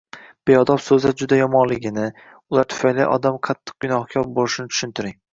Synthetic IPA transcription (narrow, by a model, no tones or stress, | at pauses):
b̥ejɒd̪ɒpsɵzaɾd͡ʒʊd̪ajɒmɒnlɪɡʲɪnɪ | ʊlˠaɾt̪ʰʊ̥fajlɪ̰ʔɒ̰d̪amqʰɑt̪ʰːɨ̥q̚ɡʲʊnɒhkʲʰɒɾbolɪʃɪnɪt͡ʃ̪ʰʊ̥ʃʊnt̪ɪɾɪŋ